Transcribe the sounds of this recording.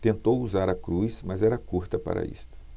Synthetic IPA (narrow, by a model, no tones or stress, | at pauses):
t̪ẽnt̪owuzaɾɐkɾujsmɐzɛɾɐkuɾt̪ɐpa̰ɾɐ̰ḭst̪ʊ̥